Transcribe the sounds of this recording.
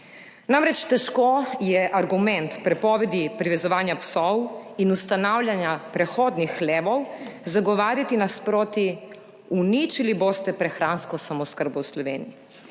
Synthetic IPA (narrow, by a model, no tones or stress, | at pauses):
namɾɛt͡ʃt̪ɛʃkojɛʔaɾɡumɛ̃nt̪pɾɛpɔːʋɛd̪ipɾiʋɛzɔʋaːnjapsɔwinust̪anaːwlʲjanjapɾɛxoːd̪nixleɛːʋɔwzaɡɔʋaːɾjat̪inaspɾoːt̪i | unit͡ʃiliboːst̪ɛpɾɛxɾaːnskɔsamɔskəɾbɔwslɔʋeːniji